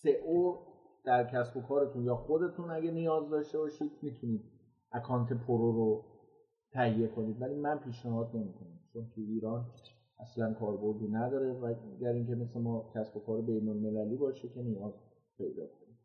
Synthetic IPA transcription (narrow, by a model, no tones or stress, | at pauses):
seʔod̪̥æɾcʰæsbo̞kʰɒːɾe̞t̪ʰunjɒːxo̞d̪e̞t̪ʰunæɡʲænijɒːzd̪ɒːʃt̪e̞bɒːʃiːd̪̚miːt̪ʰuniːd̪̚ | ʔækʰɒːnt̪ʰe̞pʰoɾoɾo | t̪ʰæhije̞kʰo̞niːd̪væliːmænpʰiːʃnæɦɒːd̪̚ne̞miːkʰo̞næmt͡ʃʰont̪ʰuiːɾɒːn | ʔæslænkʰɒːɾbo̞ɾd̪iːnæd̪ɒːɾe̞væɡæɾiŋcʰe̞me̞se̞mɒːcʲʰæsbo̞kʰɒːɾe̞be̞jnolme̞læliːbɒːʃecʰe̞nijɒːz | pʰe̞jd̪ɒ̰ːkʰonid̪̥